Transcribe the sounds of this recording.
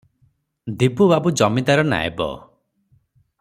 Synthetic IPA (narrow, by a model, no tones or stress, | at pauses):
d̪ipubabud͡ʒɔmit̪aɾɔna̰ḛbɔ̰